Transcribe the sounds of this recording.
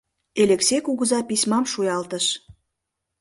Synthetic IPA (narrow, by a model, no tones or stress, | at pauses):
eleksekuɣəzɑpisʲmɑmʃujɑlt̪əʃ